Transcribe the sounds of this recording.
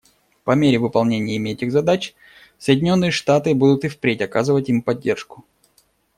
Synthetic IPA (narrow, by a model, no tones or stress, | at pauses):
pɐmʲeɾʲɪvɨpɐlˠnʲenʲɪjəɪmʲɪɛtʲɪɣzɐd̪at͡ɕ | səjdʲɪnʲo̞nːɨjəʂt̪at̪ɨbud̪ʊt̪ɨfpɾʲetʲɐkazɨvətʲimpɐdʲːe̞rʂkʊ̥